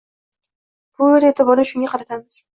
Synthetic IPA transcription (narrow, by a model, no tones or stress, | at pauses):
b̥ʊɾet̪ʰɪbɒɾɪʃʊŋɡʲaqʰɑɾat̪ʰamɪz̥